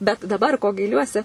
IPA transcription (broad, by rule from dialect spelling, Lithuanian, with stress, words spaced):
bʲɛt dɐˈbɐr koː ɡɐɪˈlʲuɔsʲɪ